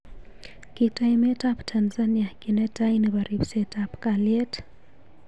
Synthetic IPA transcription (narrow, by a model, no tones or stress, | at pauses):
kitaimetaptʰanzaniakinɛtainiβaɾibsetapkaliet